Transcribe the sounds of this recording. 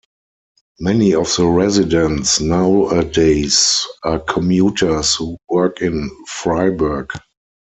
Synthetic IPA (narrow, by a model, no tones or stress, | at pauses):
mɛniɔfð̥əɹɛzɪdɛ̃ntsnaʊədeɪsakʰɔ̃mjuːtʰə˞shuwɜ˞kɪ̃nfɹaɪbɜ˞ɡ